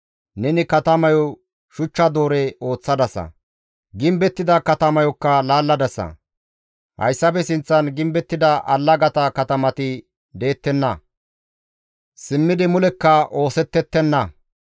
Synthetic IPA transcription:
nɛnɪkɐt̪ɐmɐjɔ | ʃʊt͡ʃːɐd̪o̞ːɾɛo̞ːt͡sːɐd̪ɐsɐ̰ | ɡɪmbɛt̪ːɪd̪ɐkɐt̪ɐmɐjɔkːɐlaːlːɐd̪ɐsɐ̰ | hɐ̰jsːɐpɛsɪnt͡sːɐnɡɪmbɛt̪ːɪd̪ɐʔɐ̰lːɐɡɐt̪ɐkɐt̪ɐmɐt̪ɪ | d̪e̞ːt̪ːɛnːɐ | sɪmːɪd̪ɪmʊlɛkːɐʔo̞ːsɛt̪ːɛt̪ːɛnːɐ

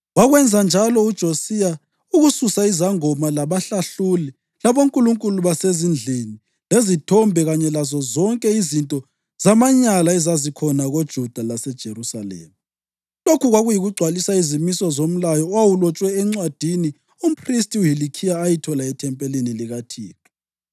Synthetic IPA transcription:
waɣwɛnd͡zʱand͡ʒʱalɔud̥ʒ̥ʱosija | uɣususaizaŋɔmalaβaɬaɬuli | laβoŋkʼuluŋkʼuluβasezind͡ɮʱeni | lezitʰɔmbʱɛɣaɲɛlazɔzɔŋkʼɛizintʼɔ | z̥amaɲalaɛzazikʰɔnaɣod̥ʒ̥ʱud̥ʱalasɛd̥ʒ̥ʱeɾusa̰lḛːma | lokʰuɣwaɣujiɣuɡ͡ǀʱwalisaizimisɔzom̩lajɔwawulɔt͡ʃʼwɛɛŋ͡ǀwad̥ʱini | um̩pʰristʼiuɦilikʰijaːjitʰɔlaɛtʰɛmpʼɛleniliɣatʰiːtʰɔ̥

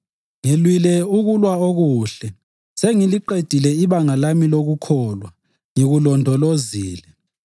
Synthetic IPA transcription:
ŋelwilɛuɣulwaoɣuːɬɛ | seŋiliǃed̥ʱilɛiβaŋalamiloɣukʰɔlwa | ŋiɣulɔndʱɔloziːlɛ

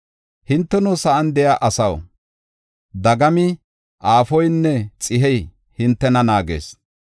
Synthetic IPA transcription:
hɪnt̪ːɛnʊsɐɐnd̪ɛjaːʔɐsɐw | d̪ɐɡɐmɪ | ʔaːfɔjnːɛt͡sʼɪɦɛj | hɪnt̪ːɛnɐnaːɡḛːs

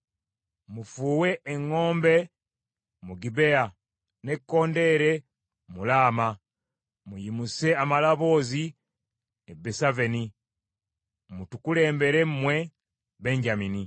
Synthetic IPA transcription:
mufuːwe̞ʔːŋːo̞ːmbe̞ | muɡibe̞a | ne̞kːo̞ːnde̞ɾe | mulaːma | mujimuse̞amalaβo̞ːzi | ebesaveni | mutukule̞ːmbe̞ɾe̞mmwe̞ | be̞ɲɟamini

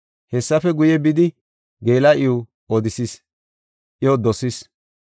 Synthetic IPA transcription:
hɛsːɐfɛɡʊjɛbɪd̪ɪ | ɡeːlɐʔɪʊ | ɔd̪ɪsis | ʔɪjɔd̪ɔsɪs

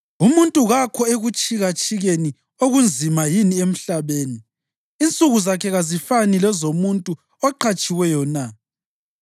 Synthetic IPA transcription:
umuntʼuɣakʰɔeɣut͡ʃʼiɣat͡ʃʼiɣeni | oɣund͡zʱimajiniem̩ɬaβeːniː | nt͡sʼuɣuzakʰɛɣazifanilɛzomuntʼu | ɔǃʰat͡ʃʼiwɛjɔna

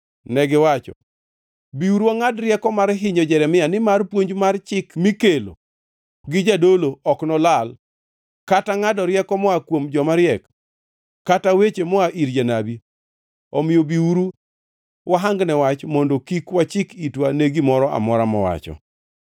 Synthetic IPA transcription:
nɛɡɪwat͡ʃɔ̰ | biuɾuwaŋadɾjɛkɔmaɾɦɪɲɔd͡ʒɛɾɛmɪjanɪmarpwoɲd͡ʒmart͡ʃɪkmikelo̰ | ɡɪd͡ʒadoloɔknɔlal | kataŋadɔɾjɛkɔmɔakwomd͡ʒɔmaɾjɛkː | atawet͡ʃemɔaʔiɾd͡ʒanabi | ɔmɪjobiuɾu | waɦaŋɡnɛwat͡ʃmondokikwat͡ʃɪkitwaneɡimɔɾɔʔa̰mɔɾamɔ̰wa̰t͡ʃɔ̰

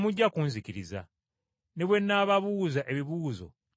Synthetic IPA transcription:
muɟːakuːnziciɾiza̰ | ne̞βwe̞nːaːβaβuːzaʔe̞βiβuːzo̞̰

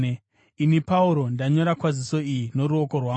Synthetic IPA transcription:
inipauɾo̞ndaɲo̞ɾakwaziso̞ijino̞ɾuoko̞rwa

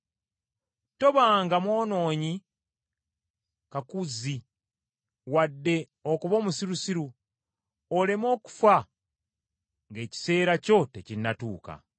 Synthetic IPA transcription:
to̞βaːŋɡamwo̞ːno̞ːɲi | kakuzi | wadːe̞ | o̞kuβo̞ːmusiɾusiɾu | ole̞mo̞ːku̥fa | ŋɡe̞ːci̥se̞ːɾaco̞te̞cinːatṵːka̰

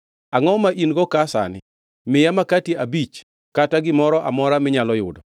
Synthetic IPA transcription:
aŋɔmaʔinɡɔkasa̰nɪ̰ | mɪjamakatiabit͡ʃ | kataɡɪmɔɾɔʔa̰mɔɾamɪɲalɔjʊdɔ

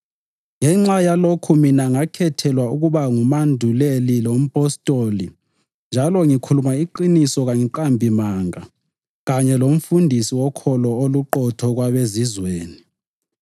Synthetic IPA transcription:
ŋɛŋ͡ǁajalokʰuminaŋakʰɛtʰɛlwauɣuβaŋumandʱulelilom̩pʼɔstʼoli | nd͡ʒʱalɔŋikʰulumaiǃinisɔɣaŋiǃambʱimaŋa | ɣaɲɛlom̩fundʱisiwɔkʰɔlɔoluǃɔtʰɔɣwaβezizweːni

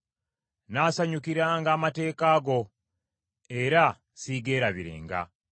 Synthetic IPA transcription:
naːsaɲukiɾaːŋɡaːmate̞ːkaːɡo̞ | e̞ɾa | siɡe̞ːɾaβiɾe̞̰ːŋɡa̰

